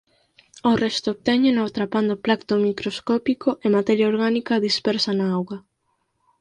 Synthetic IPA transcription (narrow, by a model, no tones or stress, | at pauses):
orɛst̪oːβ̚t̪ɛɲenot̪ɾapand̪oplakt̪omikɾoskɔpikoʔemat̪ɛɾjaoɾɣanikaðispɛɾsanaawɣa